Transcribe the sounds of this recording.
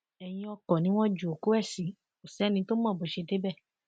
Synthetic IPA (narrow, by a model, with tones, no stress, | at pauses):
ɛ˨j̃ĩ˧ɔ˧kɔ̃˨nĩ˦w̃ɔ̃˦d͡ʒu˨o˨ko˦ɛ˦˨sĩ˨˦ | o˨sɛ˨˦nĩ˧˦to˦mãː˦˨bo˨ʃe˧de˦bɛ˦˨